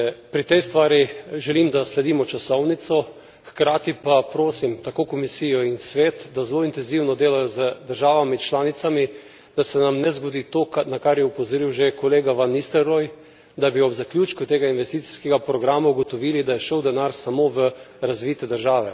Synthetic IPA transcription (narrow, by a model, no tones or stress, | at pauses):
pɾit̪ɛjst̪ʋaːɾiʒɛlimd̪aslɛd̪iːmɔt͡ʃasɔwnit̪sɔ | xkɾaːt̪ipapɾoːsimt̪akoːkɔmisiːjɔinsʋeːt̪d̪azloːint̪ɛnziwnɔd̪eːlajɔzəd̪əɾʒaːʋamit͡ʃlaːnit̪sami | d̪̥asɛnamnɛzɡod̪iːt̪oknakaɾjɛupɔzoɾiwʒekɔleːɡaʋanːist̪ɛɾɔj | d̪abiɔbzaklʲjuːt͡ʃkut̪eːɡainʋɛst̪iːt̪si̥skɛɡapɾɔɡɾaːmauɡot̪ɔʋiːlid̪ajɛʃəwd̪ɛnaɾsamoʋə | ɾazʋiːt̪ɛd̪əɾʒaːʋɛ